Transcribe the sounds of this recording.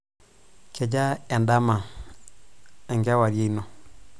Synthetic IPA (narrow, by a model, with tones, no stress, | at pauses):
ke˨d͡ʒa˦ɛ˨nda˦ma˨ | ŋɡa˦wa˨ɾje˦i˦no˨